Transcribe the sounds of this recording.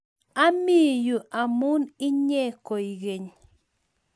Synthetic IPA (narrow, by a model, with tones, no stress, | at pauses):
a˦mi˦˨ju˨a˨mu˦ni˦ɲɛ˦˨kɔ˨i˨ɡe˨ɲ